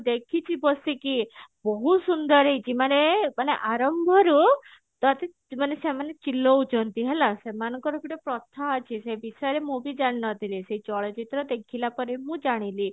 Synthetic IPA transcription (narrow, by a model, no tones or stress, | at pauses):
d̪ekʰit͡ʃʰibɔsikibɔɦusund̪ɔɾejd͡ʒimanemaneʔaɾɔmbʱɔɾu | t̪ɔt̪e | manesemanet͡ʃilɔut͡ʃʰɔnt̪iɦelasemanɔ̃ŋkɔɾukiʈɔpɾɔt̪ʰːaːt͡ʃʰisebisɔjɔɾemũbid͡ʒaɽ̃nɔt̪ʰilisejt͡ʃɔɭɔt͡ʃit̪ɾɔd̪ekʰilapɔɾemũd͡ʒaɽ̃ili